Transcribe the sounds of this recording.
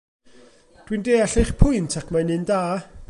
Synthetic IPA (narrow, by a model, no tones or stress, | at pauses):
d̥windeːaɬejχpʰʊɨntʰakʰmanɨndaː